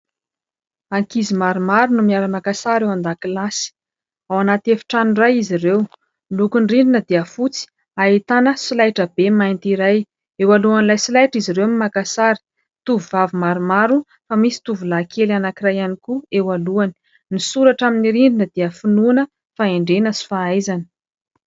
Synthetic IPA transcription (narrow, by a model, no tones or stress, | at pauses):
aŋkizimaɾumaɾunumiaɾəmakasaɾewand̪akilasi̥ | awanat̪efi̥ʈ͡ʂanirajiziɾew | lukunriɳɖ͡ʐinəd̪iəfut͡si̥ | ait̪anəsilajʈ͡ʂəbemajnt̪iɾaj | ewaluanilajsilajʈ͡ʂiziɾewamimakasaɾi̥ | t̪uvuvavimaɾumaɾu | famisi̥t̪uvulakʰelanakirajanikuewaluani̥ | nisuɾaʈ͡ʂaminiɾiɳɖ͡ʐinəd̪iəfinunə | faeɳɖ͡ʐenəsi̥faajzani̥